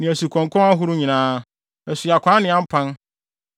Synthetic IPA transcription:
nɪ̃˨æ˨su˨kʰɔ̃˨ŋkʰɔ̃˦a˦ɦʊ˦ɾʊ˦ɲĩ˨nãː˦ | ɛ˨sʊ˨a˨kʷʰã˨˦nɪ̃˨˦ã˦m̩˦pʰã˦n

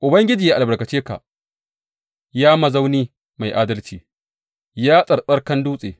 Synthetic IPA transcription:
ʔʊ˨bɐ˦ŋɡʲɪ˦d͡ʒiː˨a˨ʔa˨bɐ˨ɽkɐ˨t͡ʃeː˦ka̰˨ | jaː˦mɐ˨za˦wniː˦ | ma˨jʔaː˦dɐ˦lt͡ʃḭː˨ | jaː˦sʼɐ˨ɗɐ˦rkɐ˦nduː˦sʼḛː˨

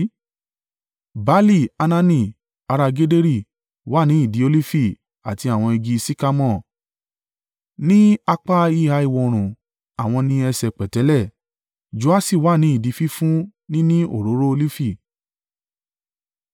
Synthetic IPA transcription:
ba˦li˦˨a˧nã˧nĩ˧ | a˧ɾa˧ɡe˦de˦ɾi˦˨ | wa˨˦nĩ˨˦i˦˨di˨˦o˧li˦fi˦˨ | a˨ti˧a˨w̃ɔ̃˧i˧ɡi˧si˦ka˦mɔ̃˦˨ | nĩ˦a˧k͡pa˦i˦ha˧˦i˦˨wɔ˧o˧ɾ̃ũ˨ | a˨w̃ɔ̃˧nĩ˧˦ɛ˧sɛ˧˨k͡pɛ˨tɛ˨˦lɛ˦˨ | d͡ʒu˨a˦si˦˨wa˨˦˨nĩ˨˦i˦˨di˨˧fi˦fũ˦nĩ˦nĩ˦o̰˦˨ɾo˨˦ɾo˦o˧li˦fi˦˨

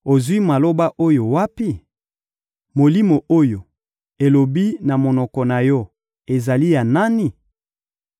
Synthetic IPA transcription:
o˨zwi˦ma˨lo˦ba˦ʔo˦jo˨wa˦pi˦ | mo˨li˦mo˨ʔo˦jo˨ | e˨lo˨bi˦na˨mo˨nɔ˨kɔ˨na˨jɔ˦ | e˨za˨li˦ja˨na˦ni˦

